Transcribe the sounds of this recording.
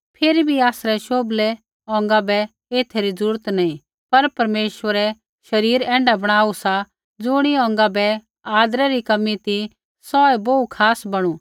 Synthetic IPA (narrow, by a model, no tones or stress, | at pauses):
pʰeːɾibʱiaːsɾɛʃoːblɛ | ɔ̃ːŋ̆ɡabɛ | eːt̪ʰeɾid͡zɾuːɾət̪nɐĩ | pɐɾpɐɾmeːʃʋəɾɛ | ʃɐɾiːɾɛ̃ːɳɖabɐɽ̃aːusa | d͡zʊɽ̃iɔ̃ːŋ̆ɡabɛ | aːd̪ɾɛɾikɐmːit̪i | sɔɛboukʰaːsbɐɽ̃u